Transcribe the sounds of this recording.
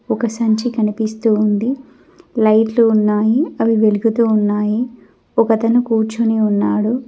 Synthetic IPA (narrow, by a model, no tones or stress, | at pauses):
ɔkɐsɐɲt͡ʃikɐnipist̪uːund̪i | lɐjʈluːnːaːjiɐʋiʋe̞luɡut̪uːunːaːji | ɔkɐt̪ɐnukuːɾt͡ʃuneːunːaːɽu